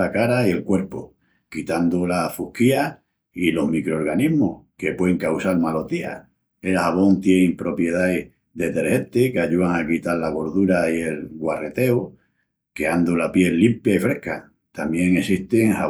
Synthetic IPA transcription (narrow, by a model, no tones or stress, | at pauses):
akaɾaie̞lkwe̞ɾpo | kit̪and̪olafuhkia | ilo̞ɦmikɾooɾɣaniɦmohke̞pweeŋkawsalmalo̞t̪ia̰ | elhaβ̞o̞nt̪je̞nimpɾo̞pje̞ðae | ðe̞t̪e̞ɾhe̞nt̪ekeaʎuaŋakit̪aɾlaɣ̞o̞ɾðuɾaielɣware̞t̪e̞o | keand̪ulapje̞lːimpjaifɾe̞hka | t̪amje̞ŋe̞siht̪eŋha